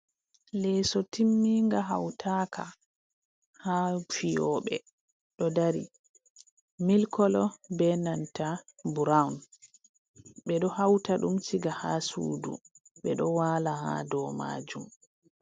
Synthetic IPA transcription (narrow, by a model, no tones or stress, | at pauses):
lɛsɔtimːiŋɡaɦawtʰakʰa | hafijɔɓɛ | ɗɔdaɾḭ | milkʰɔlɔbɛnantabuɾawn | ɓɛɗɔhawtaɗumsiɡahasṵːdṵ | ɓɛɗɔwaːlaha̰dɔːma̰ːd͡ʒum